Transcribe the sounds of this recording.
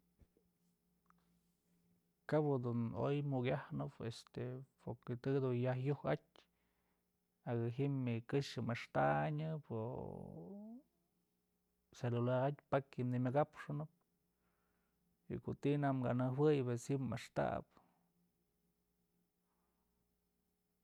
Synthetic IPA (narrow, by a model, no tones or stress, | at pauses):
kabɨd̪uno̰jmukʲahnɨpest̪epoɾket̪ɨd̪unjahjuhat̚ʲ | aɡɨɦimikɨʂɨmɨʂt̪aʔɲɨpo | selulaɾat̪ʲpakhimnimʲaɡapʂɨnɨp̚ | ḭkot̪inamɡa̰nɨhwɨjbeshimɨʂt̪a̰p